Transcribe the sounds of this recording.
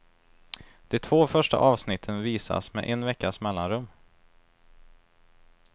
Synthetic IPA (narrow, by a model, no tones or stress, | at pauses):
d̪̥ɛt̪ʰv̥oːfœʂʈa̰ʔɑːvsnɪt̪ʰːənviːsa̰smɛ̰ʔɛnvɛkːasmɛlːanɾɵmː